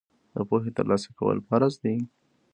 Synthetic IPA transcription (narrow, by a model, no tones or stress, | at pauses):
d̪̥əpoxet̪əɾlɑsḁkawə̰lpaɾazd̪i